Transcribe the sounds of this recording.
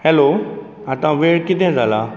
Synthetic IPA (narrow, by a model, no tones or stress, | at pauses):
hɛlo | ãt̪ɐʋãʋeːɽkɪd̪ʱẽzaːlaː